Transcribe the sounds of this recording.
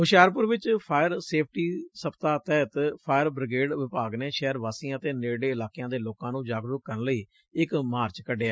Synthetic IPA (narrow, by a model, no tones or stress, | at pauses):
ɦʊʃjaːɾp̬ʊɾʋɪt͡ʃpʰaːjəɾseːpʰʈiːsəpt̪aːt̪ɛːt̪pʰaːjəɾbɾɪɡeːɖʋɪpaːɡneːʃɛːɾʋaːsiːãːt̪eːneːɽeːɪlaːkɪjãːd̪eːloːkãːnũːd͡ʒaːɡɾʊk̚kːəɾənləiː | ɪkmaːɾt͡ʃkəɖeːɛː